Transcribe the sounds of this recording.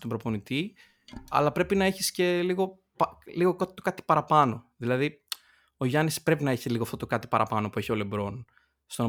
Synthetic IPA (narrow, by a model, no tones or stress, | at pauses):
t̪obɾo̞po̞nit̪i | ɐ̰lɐpɾe̞pinɐe̞çisce̞liɣo̞ | pɐliɣo̞kɐt̪okɐt̪i̥pɐɾɐpɐno̞ðilɐði | o̞ʝɐnispɾe̞pinɐeçiliɣoɐft̪ot̪okɐt̪i̥pɐɾʔɐ̰pɐno̞pueçio̞le̞bɾo̞n | st̪on